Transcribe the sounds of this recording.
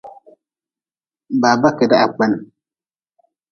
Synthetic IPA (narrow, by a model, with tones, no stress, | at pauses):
baː˨ba˦ke˨da˦ʔa˨k͡pa˦n˨